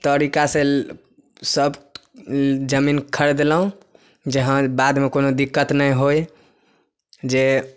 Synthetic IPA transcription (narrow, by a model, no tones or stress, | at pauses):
t̪əɾikase | səb | d͡ʒəminkʰəɾd̪elɦũ | d͡ʒəɦãbad̪mekonod̪ikːət̪nəjɦoj | d͡ʒe